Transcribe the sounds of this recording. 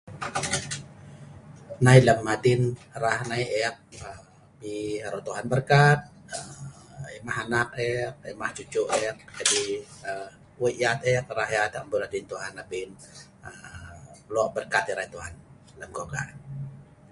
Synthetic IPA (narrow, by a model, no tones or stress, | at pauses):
nailəmːad̪inrahnaiʔɛk̚ə | piaɾot̪uɦanbərkat̪̚ | ɛmaɦanak̚ɛk̚ɛmaht͡ʃut͡ʃuʔɛk̚d͡ʒadiə | wəʔat̪ɛk̚raɦjat̪ʔəmbulad̪int̪uɦanapin | ə | lɔʔbərkat̪iɾait̪uɦan | ləmkoka̰